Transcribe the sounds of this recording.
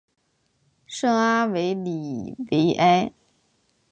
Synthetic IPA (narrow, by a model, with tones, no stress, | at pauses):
ʂɤ˥ŋa˥we˧˥ɪli˨˩we˧˥ɪʔa˥ɪ